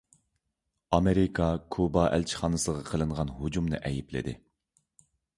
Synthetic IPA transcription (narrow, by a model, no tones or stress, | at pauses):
ɑmeɾɪkʰɑkʰubɑʔæ̰lt͡ʃʰi̥χɑːnɨsʁɑqʰəlˠɨɴʁɑnɦud͡ʒumnɨ̰ʔɛjiplɪ̰d̪ɪ̰